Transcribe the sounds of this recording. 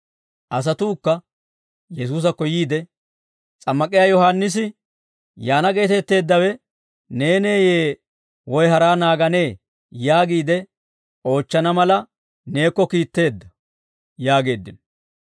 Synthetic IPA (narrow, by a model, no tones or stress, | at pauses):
ʔɐs̬ɐt̪uːkːɐ | jɛs̬uːs̬ɐkːɔjiːd̪ɛ | t͡sʼɐmːɐkʼɪjaːjɔhanːɪs̬ɪ | jaːnɐɡe̞ːt̪ɛt̪ːe̞ːd̪ːɐwɛ | neːne̞ːjeː | wɔjɦɐɾaːnaːɡɐne̞ː | jaːɡiːd̪ɛ | o̞ːt͡ʃːɐnɐmɐlɐ | ne̞ːkːɔkiːt̪ːe̞ːd̪ːɐ | jaːɡe̞ːd̪ːɪn